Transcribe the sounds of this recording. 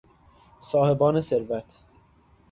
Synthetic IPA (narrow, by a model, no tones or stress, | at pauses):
sɒːhe̞bɒːneseɾvæt̪ʰ